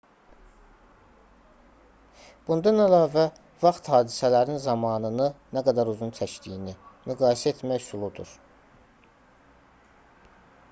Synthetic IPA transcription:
b̥und̪ɑnælɑːvæ | vɑχt̪hɑːd̪isælæɾinzɑmɑːnɯnɯnæɡæd̪æɾuzunt͡ʃ̪ʰæʃd̪ijinimyɡɑːjesæet̪ʰmæçsulˠud̪ṵɾ

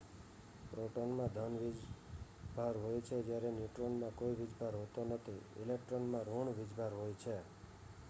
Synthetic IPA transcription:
pɾoʈonmãd̪ʱənʋid͡ʒ | bʱaɾɦojt͡ʃʰed͡ʒjaɾɛnjuʈɾonmãkoiʋid͡ʒʱbʱaɾɦot̪onət̪ʰiɪ̰lek̚ʈɾonmãɾoɳʋid͡ʒbʱaɾɦojt͡ʃʰe

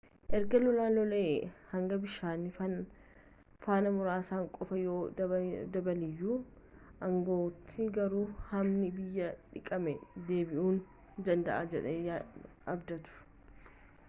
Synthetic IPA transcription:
ʔɛɾɡɐlɔlaːlɔlehɐŋɡɐbɪʃaːnɪ | faːnɐmʊɾaːsaːŋkʼɔfɐjoːd̪ɐbɐlɪjːuː | ʔɐŋɡo̞ːt̪ʰːɪɡɐɾuːhɐmnɪbɪjːɐᶑɪkʼɐmɛd̪e̞ːbɪʔuːn | d̪ɐnd̪ɐʔaːd͡ʒɛᶑɛja | ɐbd̪ɐt̪ʊ̥

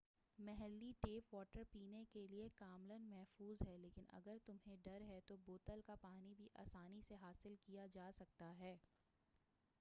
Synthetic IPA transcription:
mɛɦɛlːiʈeːpʋɔːʈəɾpiːnekeliekaːmlənmɛɦfuːzɦɛleːkɪnɐ̰ɡəɾt̪ʊmɦẽɖɐɾɦɛt̪oboːt̪əlkapaːnibʱiʔa̰ːsaːniseɦaːsɪlkijad͡ʒaːsɐk̚t̪aɦɛː

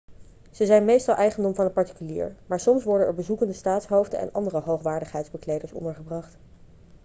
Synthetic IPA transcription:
z̥əzɛjnmejstɑlˠʔɛjχəndɔmvɑnət̚pɑɹti̥kylḭːɹmaːɹsɔmsʋɔɹdənɛɹbəzukəndəstaːtsɦowvdə̰ɛ̰nɑ̰ndərəɦowχʋaːɹdəχɦɛjtzbəklejdəɹsɔ̰ndəɹχəbrɑχt

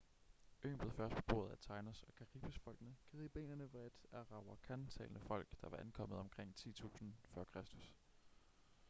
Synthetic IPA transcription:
ø̰ːnble̝ð̩ˠfɶɐsd̥pʰɒ̥̽b̥o̝ːð̩ˠæt͡sʰɑ̈ɪnɐsɒ̽kʰæʁib̥esfɒ̽l̰ɡ̥nəɡ̥iðˠib̥ḛːnɐnəʋeed̥æʁɑ̈ʊɐkʰænt͡sʰɛ̰ːlnəfɒ̽l̰ɡ̥d̥ɑ̈ʋɑ̈ʔænkʰɒ̽m̰ð̩ˠɒ̽mkʰʁeŋ̰t͡sʰḭːt͡sʰṵːsn̩fɶɐkʰʁasd̥u̥s

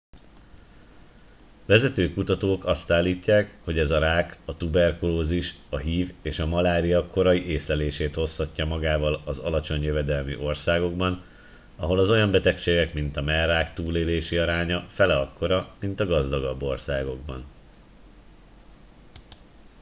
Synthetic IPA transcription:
vɛzɛt̪øːkut̪ɒt̪oːkɒst̪aːlːiːcːaːkho̞ɟɛzɒɾaːkɒt̪ubɛrkuloːziʃɒɦiːveːʃɒmɒlaːɾijɒko̞ɾɒjiʔeːsɛleːʃeːt̪ho̞shɒcːɒmɒɡaːvɒlɒzɒ̰lɒt͡ʃo̞ɲjøvɛd̪ɛlmḭʔo̞rsaːɡo̞ɡbɒn | ɒɦo̞lɒzo̞jɒmbɛt̪ɛkʃeːɡɛkmint̪ɒmɛraːkt̪uːleːleːʃiɒɾaːɲɒfɛlɛɒkːo̞ɾɒmint̪ɒɡɒzd̪ɒɡɒbːo̞rsaːɡo̞ɡ̚bɒ̰n

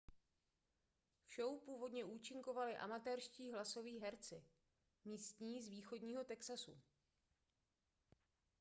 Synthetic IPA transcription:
fʃo̞wpuːvo̞dɲɛʔuːt͡ʃɪŋko̞valɪʔa̰mat̪ɛːɾʃciːɦlaso̞viːɦɛɾt͡sɪ | miːst̪ɲiːzviːxo̞dɲiːɦo̞t̪ɛksasṵ

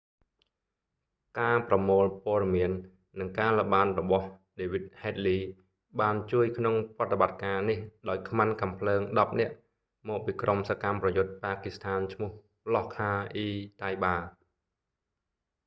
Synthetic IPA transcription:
kaːprɑmoːlpoəɗɑmiənː | ɨŋkaːləɓaːnrɔɓɑhɗeːʋit̪̚heːt̪̚liː | ɓaːnt͡ɕuəjkʰnoŋprŏət̪ːeɓat̪̚kaːnihɗaɔjkʰmankampʰləːŋɗɑp̚nɛ̆əʔ | mɔːk̚piːkromsakamprɑjʊt̪̚paːkist̪ʰaːnt͡ɕʰmʊ̆əh | lɑhkʰaːʔiːt̪ajɓaː

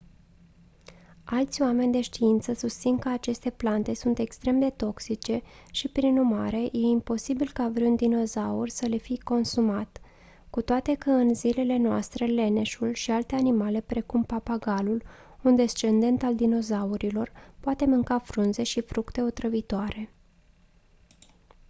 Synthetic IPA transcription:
alt̪sʲoame̞nʲd̪e̞ʃt̪iint̪səsust̪sinkəat͡ʃe̞st̪e̞plant̪e̞sunt̪e̞kst̪ɾe̞md̪e̞t̪o̞ksit͡ʃe̞ʃipɾinurma̰ɾe̞je̞impo̞sibilkavɾund̪ino̞zaurʲsəle̞fiko̞nsumat̪ | kut̪oat̪e̞kəɨnzile̞le̞noa̰st̪ɾe̞le̞ne̞ʃulʃialt̪e̞animale̞pɾe̞kumpapaɡalul | und̪e̞st͡ʃe̞nd̪e̞nt̪ald̪ino̞zauɾilo̞rpoat̪e̞mɨŋkafɾunze̞ʃifɾukt̪e̞o̞t̪ɾəvit̪oaɾe̞

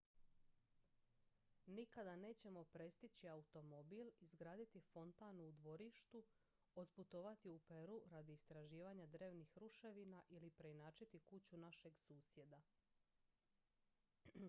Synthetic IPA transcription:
nikad̪ane̞ːt͡ɕe̞mo̞pɾe̞st̪it͡ɕiaut̪omo̞bilizɡɾaːd̪it̪ifo̞nt̪anuud̪ʋo̞ɾiʃt̪u | od̪put̪o̞ʋat̪iupe̞ɾuɾad̪iːst̪ɾaʒiːʋaɲad̪ɾe̞ːʋnixɾuʃe̞ʋinaʔilipɾe̞inaːt͡ʃit̪ikut͡ɕunaʃe̞ɡsuːsje̞d̪a

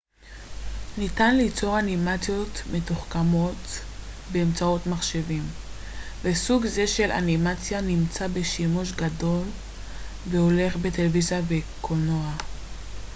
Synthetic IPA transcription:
nitanlit͡so̞ʁanimat͡sjo̞tme̞tuχkamo̞t | beːmt͡sao̞tmaχʃe̞vim | vesuɡze̞ʃe̞lʔa̰nimat͡sjanimt͡sabe̞ʃimuʃɡado̞l | veho̞le̞χbe̞televizijavekʰonoa

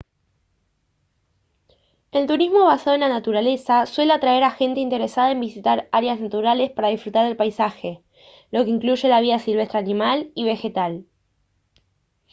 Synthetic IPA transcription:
e̞lt̪uɾizmo̞β̞asað̞o̞e̞nlanat̪uɾale̞saswe̞leat̪ɾae̞ɾaxe̞nt̪e̞int̪e̞ɾesaðae̞mbisit̪aɾaɾjaznat̪uɾale̞spaɾað̞ifɾut̪aɾðelpajsaxe̞ | lo̞ke̞iŋkluʒe̞laβ̞iasilβest̪ɾeanimaliβ̞e̞xe̞t̪al

